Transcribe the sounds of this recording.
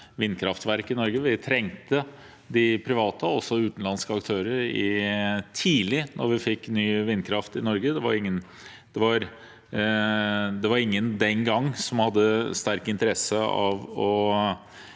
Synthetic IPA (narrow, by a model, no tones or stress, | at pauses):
ʋɪnːkʰɾɑft̪ʋæɾkɪnɔɾɡəʋɪt̪ʰɾɛŋt̪ə | d̪ɪpʰɾɪʋɑːt̪əɔsːɔʉːt̪n̩lɑnskəɑkt̪ʰøːɾəɾɪt̪ʰiːlɪnʔɔɾʋɪfɪkːnyːʋɪnːkʰɾɑft̪ɪnɔɾɡəd̪ɛʋɑ̰ɾɪŋːən | d̪̥ɛʋɑɾ | d̪ɛʋɑɾɪŋːənd̪ɛnɡɑŋːsɔmhɑd̪ːəst̪æɾkɪnt̪əɾɛsəɑ̰ʋɔ